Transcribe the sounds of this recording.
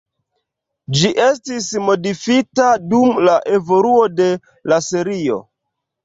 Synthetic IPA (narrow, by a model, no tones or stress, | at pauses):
d͡ʒiʔe̞stismo̞difitadumlaʔe̞vo̞luo̞de̞ | laseɾio̞̰